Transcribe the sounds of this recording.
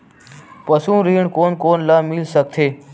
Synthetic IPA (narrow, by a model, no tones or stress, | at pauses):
pəsũːɾiːɳkoːnkoːnlaːmɪlsək̚t̪ʰeː